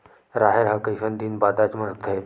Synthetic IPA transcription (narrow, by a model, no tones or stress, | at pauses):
ɾaɦeɾɦakəjɕənd̪iːnbad̪at͡sməɭət̪ʰəɦe